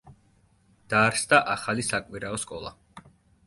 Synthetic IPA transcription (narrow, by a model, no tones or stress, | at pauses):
d̪̥aɾsd̪aʔaχalisakʼwiɾaɔskʼɔlˠa̰